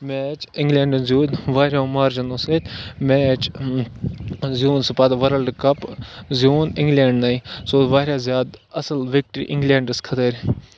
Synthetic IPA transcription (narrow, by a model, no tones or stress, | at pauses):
mɛːt͡ʃɪ̃ŋɡlʲeːɳɖnzjuːnʋaːɾʲjaːmaːɾd͡ʒɐnoːseːt̪ʲmeːt͡ʃ | zjuːnspɐd̪ʋɐɾəlɖkɐpzijuːnɪ̃ŋɡleːɳɖnɐisoːʋaːɾʲjaːzjaːd̪ɐsəlʋɪk̚ʈɾḭːʔɪ̃ŋɡlẽːɳɖəskʰɐt̪əɾʲ